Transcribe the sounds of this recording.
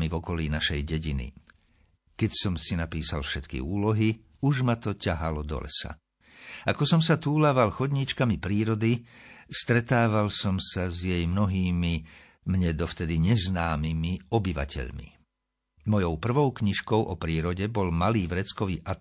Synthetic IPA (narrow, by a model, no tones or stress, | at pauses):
mivɔkɔliːnaʃɛjɟɛɟinḭ | kɛcsɔmsinapiːsalfʃɛt̪kḭuːlɔɦi | uʒmat̪ɔcaɦalɔd̪ɔ̰lɛ̰sa̰ | akɔsɔmsat̪uːlaʋalxɔd̪ɲit͡ʃkamipɾiːɾɔd̪ist̪ɾɛt̪aːʋalsɔmsazjɛjmnɔɦiːmi | mɲɛd̪ɔft̪ɛd̪iɲɛznaːmimiɔbiʋa̰cɛ̰ʎmḭ | mɔjɔʊpr̩ʋɔʊkɲiʃkɔʊʔɔpɾiːɾɔɟɛbɔlmaliːvɾɛt͡skɔʋiːʔa